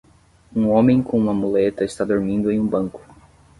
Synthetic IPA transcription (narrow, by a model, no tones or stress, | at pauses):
ũõmẽj̃kõũmɐmulet̪ɐɪst̪ad̪oɾmĩnd̪ʊẽũbɐ̃ŋkʊ̥